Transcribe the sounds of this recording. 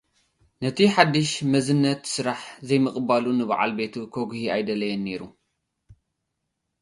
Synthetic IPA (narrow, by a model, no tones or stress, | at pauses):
nɐt̪ʰiħad̪ːɨʃmɐzɨnːɐt̪sɨɾaħzɐjmɨkʼɨbalunɨβa̰ʕa̰lbe̞t̪ʰukʰoɡhiajd̪ɐlɐjenːe̞ɾu